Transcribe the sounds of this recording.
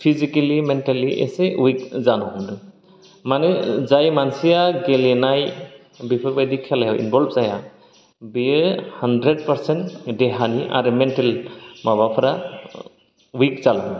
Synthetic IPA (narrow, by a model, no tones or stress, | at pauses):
pʰizikelimɛntaliʔɛ̰sɛwik̚zanɔmdɯ | manɛzajmansijaɡɛlɛnaj | bipʰɔɾbajdikʰːalajawʔḭnbɔlbzaja | bihandɾed̚pəɾsɛntdɛɦaniʔa̰ɾmɛntɛlmabapʰɾa | wik̚zalɔm